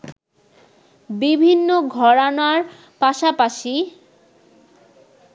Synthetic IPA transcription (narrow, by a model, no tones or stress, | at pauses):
bibʱinːoɡʱɔɾanaɾ | paʃapaʃi